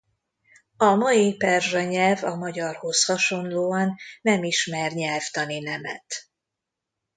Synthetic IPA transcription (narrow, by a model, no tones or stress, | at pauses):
ɒmɒipɛrʒɛɲɛlvɒmɒɟɒrho̞shɒʃo̞nloːɒnːɛmiʃmɛrɲɛlft̪ɒninɛmɛ̰t̪